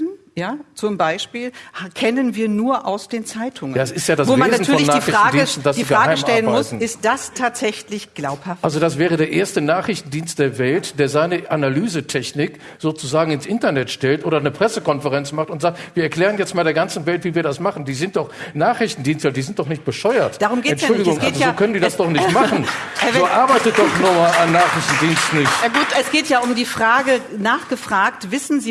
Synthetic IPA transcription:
n̩ | jaːt͡sʊmbaɪʃpiːlhkʰɛnənviːɐnuːɐʔaʊsd̥eːnt͡saɪtʰʊŋəjaːsɪstjaːdasvoːaneːazn̩yːɐɔlçnːaːiχfɪʁtanːɡdiːstn̩d̥asd̥iːfɡʁaːaɪəmʃmʔɛɐlənbamʊɪstn̩ɪstd̥astʰaːtz̥ɛçlɪçɡ̥laʊphafʔalzodas̬v̥ɛːʁədeːɐʔeːɐstənaːχʁɪçtn̩diːnst̚d̥eːɐvɛltd̥eːɐzaɪnəʔanalyːzətʰɛçnɪk | z̥oːt͡suzaːɡŋ̩ɪnsʔɪntɐnɛtʃtɛltʔoːdɾɐnəpʁ̥ɛsəkɔnfəʁɛnt͡smaχtʊntz̥aːk̚tviːɐɛɐkl̥ɛːʁ̞ənjɛt͡stmaːlɾeːɐɡant͡sn̩vɛltv̥iːviːɐdasmaχn̩diːzɪnt̚d̥ɔχnaːχʁɪçtn̩diːnstadiːzɪntd̥ɔχnɪçt̚b̥əʃɔʏɐtd̥aʁʊmɡeːɛntʃʊldɪɡʊŋʔalzzoːkʰœnəndiːdasd̥ɔχnɪçtmaχnn̩oːʔaɐbaɪtəd̥ɔχnʊmaːlanːaːχʁɪçtn̩diːnstn̩nɪçtaɡuːtɛsɡ̥eːtjaːʊmdiːfʁ̥aːɡənaːχɡ̥əfʁ̥aːktv̥ɪsn̩ziː

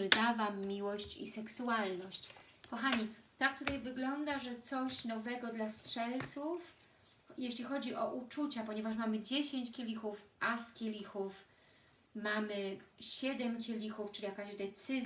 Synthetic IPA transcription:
ɘd̪avamːʲiwɔɕt͡ɕḭsɛksualnɔɕt͡ɕkɔxaɲit̪ak̚t̪ut̪ajvɘɡlɔnd̪aʐɛt̪sɔɕnɔvɛɡɔd̪lastʂɛlt̪suf | jeɕlʲixɔd͡ʑiʔɔʔut͡ʂut͡ɕapɔɲɛvaʂmamɘd͡ʑeɕeɲt͡ɕkʲelʲixufʔaskʲelʲixuf | mamɘɕɛd̪ɛmkʲelʲixuft͡ʂɘlʲijakaʑd̪ɛt̪sɘz

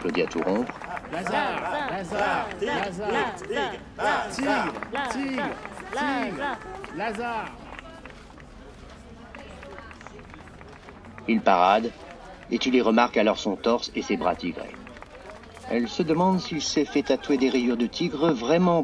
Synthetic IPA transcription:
plod̪ea̰t̪uʁɔ̃pχ | t̪ | i | z | ilpaʁad̪ | et̪uleʁəmaʁkalɔʁsɔ̃t̪ɔʁsesebʁa̰t̪iɡʁḛ | ɛ̰lsəd̪əmɑ̃d̪silsɛfɛt̪at̪wed̪eʁijyʁd̪ət̪ʰiɡʁəvʁɛmɑ̃

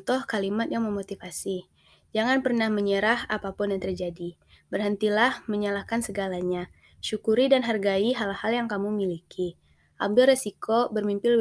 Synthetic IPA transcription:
t̪ɔhkalimat̪jaŋməmot̪ifasi | d͡ʒaŋanpərnahməɲəɾahapapʊndant̪ərd͡ʒadi | bərhənt̪ilahməɲalahkansəɡalaɲa | ʃukuɾidanɦarɡaiɦalhaljaŋkamumilikʰi | ʔa̰b̚dʊlrisikobərmimpɪl

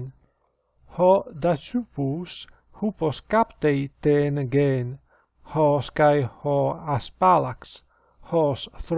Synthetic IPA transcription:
n | hɔd̪at͡ʃupus | hupɔskapt̪ejt̪eːnɡeːn | hɔskajhɔaspalaks | hɔsθɾ

